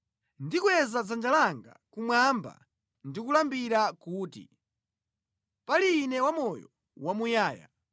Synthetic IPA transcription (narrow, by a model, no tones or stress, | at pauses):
ndikwɛzad͡zand͡ʒalaŋɡa̰kumwamba̰ | ndikulambiɾakuːtḭ | paliːnɛwamɔjɔ̰ | wamujaːja̰